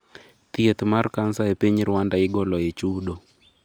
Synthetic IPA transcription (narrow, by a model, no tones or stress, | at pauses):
t̪iet̪markansaepiɲɾwandaɪɡɔlɔet͡ʃuɗo